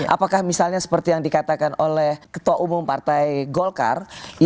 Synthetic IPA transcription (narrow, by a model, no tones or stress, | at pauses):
ʔa̰pakahmisalɲasə̥pərt̪ijaŋdikat̪akanolɛhkə̥t̪uwaʔumʊmpart̪ajɡolka̰rj